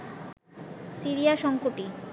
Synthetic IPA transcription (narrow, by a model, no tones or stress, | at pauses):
siɾijaʃɔŋkoʈi